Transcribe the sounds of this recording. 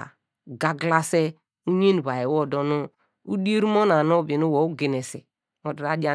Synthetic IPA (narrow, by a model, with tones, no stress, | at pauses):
ɡa˨ɡla˦se˦ | u˦ɲe˦n˨βa˨je˨wo˦˨do˨no˦ | u˦di˦e˦ɾu˦mo˦na˨no˦bi˨nu˦wo˨u˦ɡe˨ne˨se˨ | o˨dɾa˦d͡ʒa˦